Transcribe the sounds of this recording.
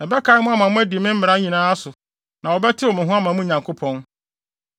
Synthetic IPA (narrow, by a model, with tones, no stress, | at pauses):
ɛ˨bɛ˦kʰa˨˦mʊ̃˦a˦mã˨mʊ̃˦æ˦di˨mɪ̃˦m̩˦mɪ˨ɾa˦ɲĩ˨nãː˦sʊ˨ | nã˨wɔ˨bɛ˦tʰɪ˦ɔ˨mɪ̃˨ɦʊ̃˦a˦mã˨mʊ̃˦ɲã˨ŋkʰo˦pʰɔ̃˦n